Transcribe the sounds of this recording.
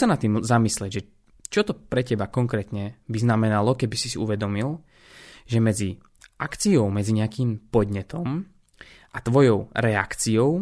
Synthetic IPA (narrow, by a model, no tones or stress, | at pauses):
sanat̪ːiːmzamisliɛɟʒɛ | t͡ʃɔt̪ɔpɾɛcɛbakɔŋkɾɛːt̪ɲɛbiznamɛnalɔkɛbisisiuʋɛd̪ɔmilˠ | ʒɛmɛd͡zi | ʔakt͡siɔʊmɛd͡ziɲɛakiːmpɔd̪ɲɛt̪ɔm | ʔat̪ʋɔjɔʊɾɛa̰kt͡siɔʊ